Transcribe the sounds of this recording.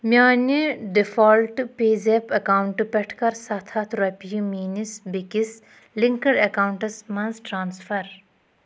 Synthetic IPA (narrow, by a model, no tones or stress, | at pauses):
mjaːniɖifoːlʈɨpeːzepɐkawuɳʈɨpeʈʰkɐɾsɐt̪ʰɐt̪ʰɾɐpijimiːnisbikis | liŋkɐɾɐkaːwuɳʈɐsmɐnzʈɾaːnsfɐɾ